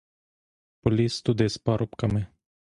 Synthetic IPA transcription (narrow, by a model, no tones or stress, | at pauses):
polist̪ud̪espaɾopkame